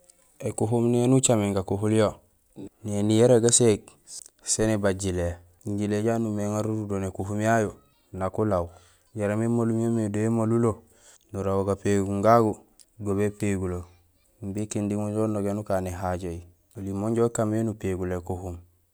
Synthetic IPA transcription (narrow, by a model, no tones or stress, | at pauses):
ekuɦumnienut͡ʃamiŋɡakuɦuljo | nenijeɾeɡaseɡ̚ | senebaɟile | iɲɟileɟanumeŋaɾuɾudonekuɦumjajo | nakulaw | ɟaɾamemolumjomedoemolulo | nuɾawoɡapeɡuŋɡaɡu | ɡoβepeɡulo | mbikindimoɟonoɡenukaːneɦaɟoji | olimoɲɟokamenupeɡulekuhum